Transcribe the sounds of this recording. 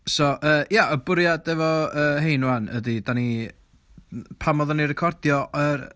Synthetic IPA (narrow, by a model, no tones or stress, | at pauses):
sɔʔəːjaʔɔbʊɾjadɛvɔəːhejnwanə̰didani | pʰamɔðɔnirɛkʰɔrd̥jɔʔər